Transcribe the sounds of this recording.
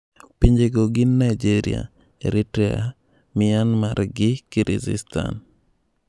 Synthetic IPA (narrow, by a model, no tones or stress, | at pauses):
piɲd͡ʒeɡoɡɪnːaid͡ʒiɾḭa̰ | eɾitɾɛa̰ | mɪanmaɾɡɪkiɾḭzḭsta̰n